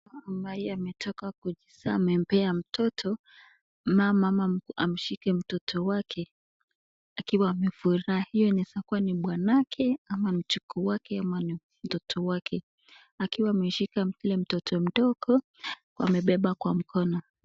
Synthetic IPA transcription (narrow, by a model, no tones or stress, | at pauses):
amaiamɛtʰɔkakud͡ʒisaːmɛm̩pɛam̩tʰɔtʰɔ | mamamaam̩ʃikɛm̩tɔtʰɔwakʰɛ | akiwaːmɛfuɾahijɔnɛsakuaniɓwanakʰɛamam̩t͡ʃukɔwakɛamani | m̩tɔtʰɔwakʰɛ | akiwaːmɛʃikakilɛm̩tɔtʰɔm̩ɗɔɡɔ | ka̰mɛɓɛɓakwam̩kʰɔnɔ